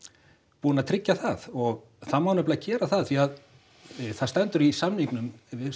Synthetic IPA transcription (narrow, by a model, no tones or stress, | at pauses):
puːnaðt̪ʰɾɪcːaθaðɔɣ | θaðmawnœplɪacɛːɾaθaðθviað | θaðst̪ɛnt̪ʏɾisamnhiŋknʏmvɪ